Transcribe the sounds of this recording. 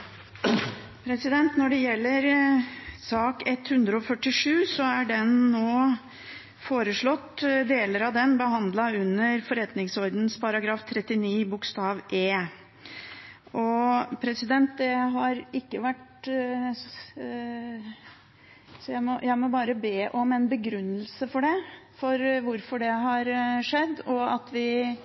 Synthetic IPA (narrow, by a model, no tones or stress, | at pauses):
pʰɾɛsɪd̪ɛnt̪nɔɖɛjɛlːəɾ | sɑːkɛt̪hʉnd̪ɾəɔfœʈːɪʂʉːsɔæɖɛnːoː | foːɾəʂɭɔt̪ːd̪eːləɾɑʋd̪ɛnbəɦɑnd̪lɑʉnːəɾfɔɾɛt̪nɪŋsɔɾd̪n̩spʰɑɾɑɡɾɑːft̪ʰɾɛt̪ːɪniːbʊkst̪ɑːʋʔeː | ʔɔpʰɾɛsɪd̪ɛnt̪̚d̪ɛɦɑɾɪkːəʋæʈ | sɔjæɪmɔjæɪmɔbɑːɾəbeːʔɔmɛnbəɡɾʉnːəlsəfɔɖɛfɔɾʋʊɾfɔɖɛɦɑɾʂɛd̪ːɔɑt̪ʋɪ